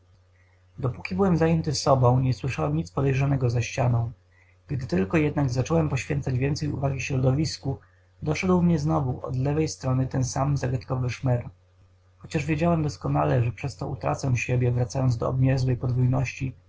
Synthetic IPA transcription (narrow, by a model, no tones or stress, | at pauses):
d̪ɔpukʲibɘwɛmzajɛnt̪ɘssɔbɔ̃w̃ɲɛswɘʂawɛmɲit̪spɔd̪ɛjʐanɛɡɔzaɕt͡ɕanɔ̃w̃ | ɡ̥d̪ɘt̪ɘlkɔjɛd̪naɡzat͡ʂɔwɛmpɔɕfʲjɛnt̪sad͡ʑvʲjɛnt̪sɛjṵvaɡʲiɕɾɔd̪ɔvʲisku | d̪ɔʂɛd̪wmɲɛznɔvuʔɔ̰d̪lɛvɛjst̪ɾɔnɘt̪ɛnsamzaɡat̪kɔvɘʂmɛɾ | xɔt͡ɕaʐvʲjed͡ʑawɛmd̪ɔskɔnalɛʐɛpʂɛst̪ɔut̪ɾa̰t̪sɛɕebʲjɛvɾat̪sajɔnzd̪ɔ̰ɔ̰bɲɛzwɛjpɔd̪vujnɔɕt͡ɕi